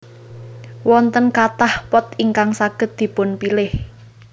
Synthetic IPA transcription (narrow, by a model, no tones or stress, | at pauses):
wɔnt̪ənkat̪ahpɔt̪iŋkaŋsaɡ̥ə̤t̪̚d̪̥i̤pʊnpilɪh